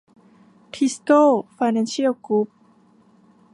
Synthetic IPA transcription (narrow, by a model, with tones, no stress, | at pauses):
t̪ʰi˦˥sko˥˩fa˧jna˧nɕi˥ə˨˩wklu˦˥p̚